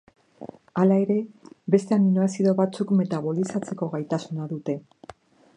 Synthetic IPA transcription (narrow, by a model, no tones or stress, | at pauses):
alae̞ɾe̞βe̞st̪e̞aminoasiðo̞βat͡sukme̞t̪aβo̞lisat͡se̞ko̞ɣajt̪asunaðut̪e̞